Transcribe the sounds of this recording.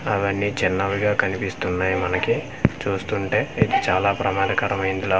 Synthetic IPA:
ɐʋɐnːiːd͡ʒɛnːaʋiɡaːkɐnipist̪unːaːjimɐnɐki | t͡ʃuːst̪uɳʈe̞ːid̪it͡ʃaːlaːpɾɐmaːd̪ɐkɐɾɐmɐjind̪ilaː

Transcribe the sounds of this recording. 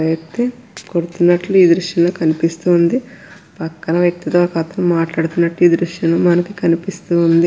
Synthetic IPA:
jɐkt̪ikoɽut̪unːɐʈluiːd̪ɾuʂʈjɐloːkɐnipist̪uːnd̪i | pɐkːɐnɐʋjɐk̚t̪it̪oːkɐt̪ɐmmaːʈlaːɽut̪unːɐʈluiːd̪ɾuʂʈɐnloːmɐnɐkikɐnipist̪uːnd̪i

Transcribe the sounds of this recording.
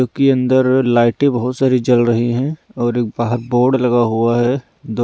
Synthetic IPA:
oːkiɐ̃nd̪əɾlaːɪʈẽbɐɦʊt̪saːɾid͡ʒɐlɾɐɦiɦɛ̃ɔːɾeːk̚baːɦəɾboːɾɖlɐɡaɦuaɦɛ | d̪o

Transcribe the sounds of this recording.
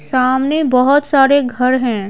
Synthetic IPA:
saːmnebɐɦʊt̪saːɾeɡʱɐɾɦɛ̃ː

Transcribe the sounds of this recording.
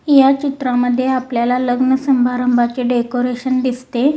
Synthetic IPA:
jat͡ɕit̪ɾaməd̪ʱːjeapljalaləɡnəsəmbʱaɾəmbʱat͡ɕeɖekoɾeɕənd̪ist̪e

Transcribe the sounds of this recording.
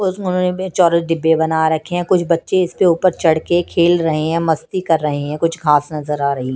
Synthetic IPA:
ʊʊnɦõːnet͡ʃɔːɾeɖɪbːebɐnaɾɐkʰːeɦɛ̃kʊt͡ʃʰbɐtːʃeɪspeuːpəɾt͡ʃɐɽkekʰeːlɾɐɦeɦɛ̃ːmɐst̪ikɐɾːɐɦeɦɛ̃kʊt͡ʃʰɡʱaːsnɐzəɾaːɾɐɦiɦɛ̃

